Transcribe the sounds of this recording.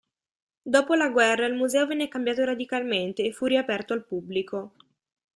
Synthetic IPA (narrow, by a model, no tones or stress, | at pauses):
d̪oːpolaɡwɛrːailmuzɛːovɛnːekambjaːt̪oɾad̪ikalment̪eːfuriapɛrt̪oalpubːliko